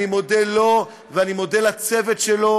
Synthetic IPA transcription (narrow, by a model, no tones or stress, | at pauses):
imo̞delo̞ | veanimo̞d̪elat͡se̞vet̪ʃelo̞